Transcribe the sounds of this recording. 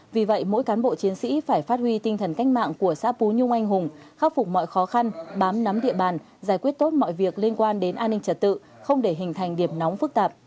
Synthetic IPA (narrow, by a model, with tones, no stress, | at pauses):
vi˨˩və̰˧˨jmo̰˧˥jkaː˨˦nɓo̰˧˨t͡ɕi˨˦ənsḭ˧˥faː˧˩jfaː˦˥t̚hwi˧t̪ï˧ŋ̟t̪ʰə˨˩nka˦˥jk̟̚ma̰ː˧˨ŋku˧˩əsa̰ː˧˥pu˨˦ɲʊ˧ŋ͡mʔa˧jŋ̟ɦʊ˨˩ŋ͡mxaː˧˥wfʊ˨˩k͡p̚mɔ̰˧˨jxɔ˨˦xa˧nɓaː˨˦mna˨˦mɗḭ˧˨əɓaː˨˩n | zaː˧˩jkwi˦˥ət̚t̪o˦˥t̚mɔ̰˧˨jvi˨˩ək̚li˧ənkwaː˧nɗe˨˦nʔaː˧nːï˧ŋ̟t͡ɕə˨˩t̚t̪ɨ̰˧˨ | xə˧wŋ͡mɗe˧˩ɦï˨˩ŋ̟t̪ʰa˨˩jŋ̟ɗi˧˩əmnɔ˨˦wŋ͡mfɨ˦˥k̚t̪aː˨˩p̚